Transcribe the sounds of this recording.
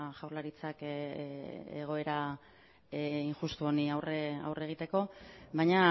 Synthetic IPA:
ʝawɾlaɾit͡sak | eɣ̞o̞e̞ɾa | iŋxust̪uo̞niawrea̰wreɣit̪e̞ko̞βajɲa

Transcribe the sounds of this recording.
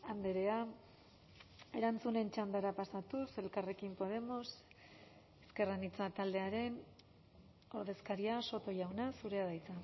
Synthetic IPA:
and̪eɾe̞a | e̞ɾant͡sune̞nt͡ʃand̪aɾapasat̪use̞lkare̞kimpo̞ð̞e̞mo̞s | eske̞ranit͡sat̪ald̪e̞aɾe̞n | o̞ɾð̞e̞skaɾiaso̞t̪o̞ʝawnasuɾe̞aðajt͡sa

